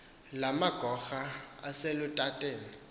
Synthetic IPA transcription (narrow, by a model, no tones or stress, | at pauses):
lamaɡ̥ʱɔxaa̰selʊtʼatʼɛːlɔ